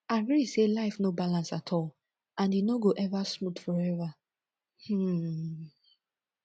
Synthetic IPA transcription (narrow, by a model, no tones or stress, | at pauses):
aɡɹiselaɪfnobalãnsatʰɔl | ãnjinoɡoʔɛvasmutfɔɹɛva | h̩